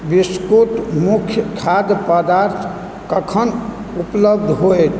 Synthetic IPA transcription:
biskuʈ̪mukʰjəkʰad̪pəd̪aɾt̪ʰ | kəkʰən | upləbd̪ʱɦoet̪ʰ

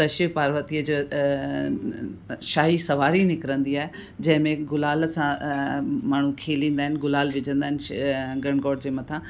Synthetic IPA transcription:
t̪ɐʃipaːɾʋət̪iəd͡ʑo | ʃaːɦisɐʋaːɾinɪkɾə̃nd̪iaːɦe | d͡ʑɐ̃ɦɪ̃mẽɡʊlaːlsã | maːɳ̤ũkʰeːlĩːnd̪aːɦɪnɪɡʊlaːlʋɪd͡ʑə̃nd̪aːɦɪnɪɡɐɽ̃ɡɔːɖd͡ʑeːmɐt̪ʰã

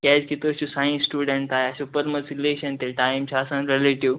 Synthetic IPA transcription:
kɛd͡ʑkit̪oɕusajĩnsːʈuɖəɳʈ̪ajasupəɾməsileɕənt̪eʈajmt͡ɕʰaːsãnɾeleʈiʋ

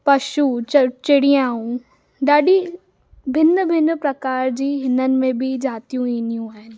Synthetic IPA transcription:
pɐʃut͡ɕt͡ɕɪɽiãːũ | ɗaːɗi | bʱɪn̆bʱɪnpɾɐkaːɾd͡ʑiːɦɪnənɪ̆mẽbɪd͡ʑaːt̪ijũiːnijũaːɦɪnɪ̆

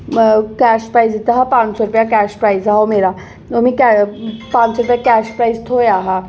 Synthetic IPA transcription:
kæʃpɾaizit̪aɦapãːsɔɾʊpjakɛʃpɾaizaɦomeːɾa | omĩkpãɲsɔɾʊpjakæʃpɾaizt̪ʰojaːɦa

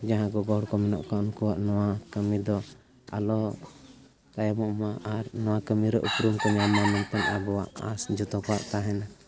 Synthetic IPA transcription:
d͡ʒaɦãɡɔɡɔɽkɔmɛnɔ̰ʔkɔɔnkuwaʔnɔwakəmid̪ɔ | a̰lɔ | t̪ajamɔʔmaaɾnɔwakəmiɾɛʔṵpɾumkɔɲamamɛnt̪ɛnabɔwaʔa̰sd͡ʒɔt̪ɔkɔwaʔt̪aɦɛna

